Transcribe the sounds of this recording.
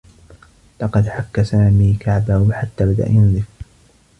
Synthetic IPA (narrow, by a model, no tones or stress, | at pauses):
lɑqɑd̪ħakːasaːmiːkʰaʕbahʊħat̪ːaːbad̪a̰ʔajanzɪf